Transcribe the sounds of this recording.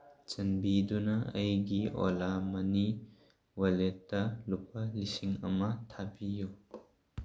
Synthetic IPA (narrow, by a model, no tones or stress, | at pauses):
t͡ʃɐnbidunɐɐjɡiɔ̰lamɐni | wɐletːɐlup̚ʰɐlisiŋɐ̰mɐtʰabiju